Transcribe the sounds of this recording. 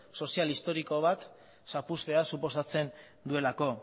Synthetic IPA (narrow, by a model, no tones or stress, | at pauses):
so̞sialist̪o̞ɾiko̞β̞at̪ | sapust̪e̞asuposat͡se̞n | d̪ue̞lako̞